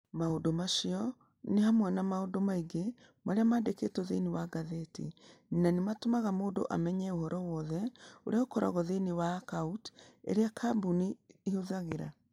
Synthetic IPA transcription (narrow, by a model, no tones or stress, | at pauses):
maodomaʃiɔ | nehamwanamaodomaiɡe | maɾeamaːndekeːtɔðeniwaɡaðetḭninanematomaɣamoːndo̰ʔa̰mɛɲɛohɔɾɔwɔðɛoɾeaokɔɾa̰ɣɔðenewakautḛɾeakʰabuniːhoðaɣeɾa̰